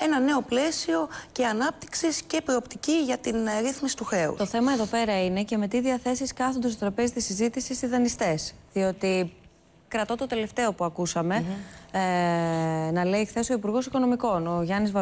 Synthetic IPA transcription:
e̞nɐne̞o̞ple̞sio̞ce̞ɐnɐp̚t̪i̥ksisce̞pɾoopt̪iciʝɐt̪inɾiθmisi̥t̪uxe̞ṵt̪o̞θe̞mɐe̞ðo̞pe̞ɾɐine̞ce̞met̪iðiɐθe̞siskɐθond̪ɐst̪ot̪ɾɐpe̞zit̪isizit̪isist̪iðɐnist̪e̞sðio̞t̪i | kɾɐt̪o̞t̪o̞t̪e̞le̞ft̪e̞o̞puɐkusɐme̞ | nɐle̞ixθe̞so̞ipuɾɣo̞siko̞no̞miko̞no̞ʝɐnizvɐ

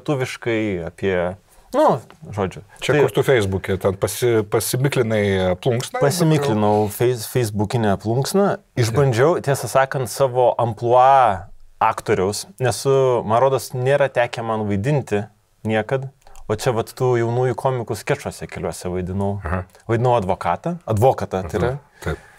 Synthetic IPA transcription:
t̪uːʋʲɪʃkɐɪɐpʲiɛ | nʊʒoːd͡ʒʲʊt͡ʃʲɛɐɪkʊɾt̪ufʲɛɪzbukʲɛt̪ʲɛnpɐsʲɪpɐsʲɪmʲɪklʲɪnɐɪɐplˠuŋksnɐpɐsʲɪmʲɪklʲɪnɐʊfʲɛɪfʲɛɪzbukʲɪnʲɛɐplˠuŋksnɐ | ɪʒbɐnʲd͡ʒʲɛʊt̪ʲiɛsɐsɑːkɐnt̪sɑːʋoːʔɐmplˠuɑːɑːkt̪oːɾʲɛʊsnʲɛsʊmɐnɾoːd̪oːsnʲeːɾɐt̪ʲæːkʲɛmɐnʋɐɪd̪ʲɪnʲt̪ʲɪ | nʲiɛkɐt̪oːt͡ʃʲɛʋɐt̪tuːjɛʊnuːjukʰoːmʲɪkʊsʲkʲɛʃoɔsʲɛkʲɛlʲuɔsʲɛʋɐɪd̪ʲɪnɐʊhʋɐɪd̪ʲɪnɐʊɐd̪ʋoːkɑːt̪ɐɐd̪ʋoːkɐt̪ɐt̪ɐɪɾɐ | t̪ɐɪp

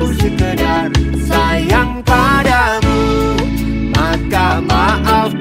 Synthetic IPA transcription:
səbənar | sajaŋpadamu | makamaʔa

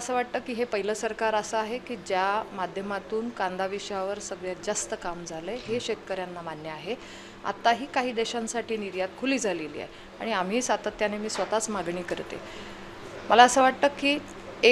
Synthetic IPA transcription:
əəsəːʋaʈ̚t̪əːkːiːɦepəɦiləsəɾkaɾəsəaɦekiːd͡ʑjamad̪ʱjəmat̪uːnkand̪ʱaʋiɕjaʋəɾsəɡɭjad͡zast̪əkamd͡zʱaleɦeɕet̪̚kəɾjanːamanjəaɦe | a̰t̪aɦiːkaɦiːd̪eɕansaʈʰiːniɾjat̪̚kʰuliːd͡zʱalelḭːa̰ɦe | a̰ɽ̃iam̤iːsat̪ət̪janemiːsʋət̪at͡smaɡɳiːkəɾt̪ḛ | məlaəsəːʋaʈ̚t̪əːkːiː | e

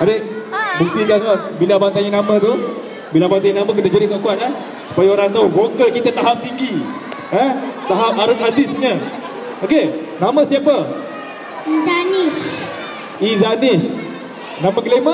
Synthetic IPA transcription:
adeʔbuk̚t̪ikasmabilabant̪aɲənãmãt̪u | bilabant̪aɲinamãk̬ədad͡ʒəɾiʔkakuanah | su̥pajaoɾaŋt̪auvokəkit̪ət̪aɦap̚t̪iŋɡi | ɛt̪aɦap̚aɾʊk̪̚adɪsɲə | oke | namə̃siapə | izanis | izanɪs | namə̃kəlema

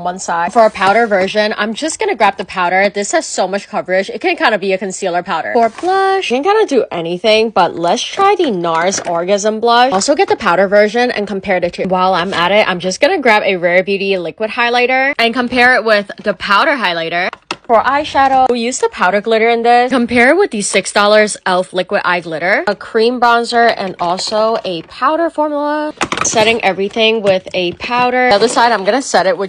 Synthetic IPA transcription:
wʌ̃nsaɪfə˞ɨpʰaʊɾə˞vɜ˞ʒɨ̃nã̰ɪ̃md͡ʒʌsɡ̥ʌnɨɡɹæp̚ðɨpʰaʊɾə˞ðɪshɨz̥soʊmʌt͡ʃkʰʌvə˞ɪd͡ʒɨt̚kɨ̃nkʰãɪ̃ndəbiɨkɨ̃nsilˠə˞pʰaʊɾə̰˞ə˞blʌʃkɨ̃nkʰãɪ̃ndɨdɨʔɛniθɪ̃ŋb̥ʌtlɛtstʰɹ̥aɪðɨnɑɹzɔɹɡɨzə̃mblʌʃɔlˠsoʊɡɛt̪̚ðəpʰaʊɾə˞vɜ˞ʒɨ̃nʔɨ̰̃nkə̃m̩pʰɛɹɾɨtʰɨwaɪlˠãɪ̃məɾɪtʔã̰ɪ̃md͡ʒʌsɡ̥ʌnɨɡɹæpɨɹɛɹbjʉɾilɪkwɨd̚haɪlaɪɾə˞ɨ̃nkə̃m̩pʰɛɹɪt̚wɪðɨpʰaʊɾə˞ɦaɪlaɪɾə˞fə˞ʔaɪʃæɾʊjʉzðəpʰaʊɾə˞ɡlɪɾə˞ɨ̃nðɪkə̃mpʰɛɹd̚wɨðɨsɪksd̥ɔlˠə˞zɛlˠflɪkwɨɾʔa̰ɪɡlɪɾə˞əkʰɹ̥ĩmbɹɑ̃nzə˞ɨ̃nɔlˠsoʊɨpʰaʊɾə˞fɔɹmjl̩ˠəsɛɾɪ̃ŋʔɛvɹiθɪ̃ŋwɪðɨpʰaʊɾə˞ðə˞saɪɾãɪ̃mɡʌnɨsɛɾɨt̚wə

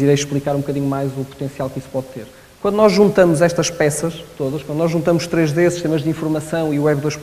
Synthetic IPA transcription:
iɾɐjʃplˠikaɾũb̚ukɐðiɲumajzupu̥t̪ẽsialˠkispɔðt̪eɾ | kwɐ̃nd̪unɔʒʒũnt̪ɐmuzɛʃt̪ɐʃpɛsɐʃt̪oðɐʃkwɐ̃d̪unɔʒũnt̪ɐmuʃt̪ɾeʒðesiʃt̪emɐʒðĩfuɾmɐsɐ̃w̃iuwɛβðojʃ

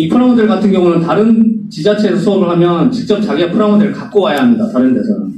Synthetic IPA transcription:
ipʰɯɾaŋondɯɭɡatʰɯŋɡjʌŋunɯntaɾɯnt͡ɕid͡ʑat͡ɕʰe̞ːsʰʌsʰoʌmɯɭhamjʌnt͡ɕik̚t͡ɕ͈ʌp̚t͡ɕaɡiapʰɯɾaŋondɯɾɯɭkak̚k͈owajaɦamɲidataɾɯnde̞sʰʌnɯ̰n

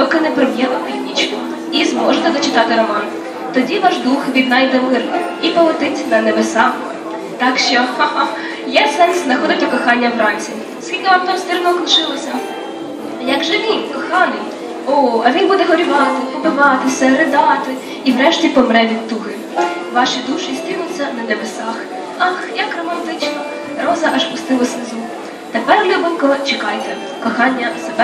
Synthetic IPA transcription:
t̪ɔkɪnɛpɾɔmjɛmɐpʲid̪ʲnʲit͡ʃk | izmɔʒenɛd̪ɔt͡ʃɪt̪ɑt̪ɪɾɔmɑn | t̪ɔdʲiʋɑʒd̪uxʋʲid̪nɑjd̪ɛmɪrnɪ | ipɔɦɔt̪ɪtʲnɐnebesɑ | t̪ɑkʃt͡ʃɔhɑ | jɛsɛnsznɐxɔd̪ɪt̪ʲɐkɔxɑnʲːɐwrɑnʲsʲi | skʲilʲkɔʋɐp̚t̪ɔmst̪ɪrnɔɔknʃɪlˠɔsʲɐ | jɐɡʒɛʋʲinkɔxɑnɪj | ɔɐʋʲinbud̪ɛɦɔɾʲiʋɑt̪ɪpɔbɪʋɑt̪ɪsʲɛɾɪd̪ɑt̪ɪ | iʋɾɛʃtʲipɔmɾɛʋʲid̪̚t̪ːʊɦɪ | ʋɑʃid̪uʃɪst̪inʊt͡sʲːɐnɐnebesɑx | ɑxjɐkrɔmɐnt̪ɪt͡ʃnɔ | ɾɔzɐʔɐʃpʊst̪ɪlˠɔsnɪzu | t̪epɛrlʲubɪmkɔɔt͡ʃɪkɑjet̪ʲɛ | kɔxɑnʲːɐsebɛ

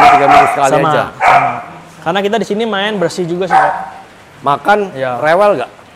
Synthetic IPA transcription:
mat̪iɡamiɾɪsəkalisaamad͡ʒa̰ama | karnakit̪̬adisinimaɛnbərsid͡ʒuɡas̬ia | makanjarewɛlɡaʔ

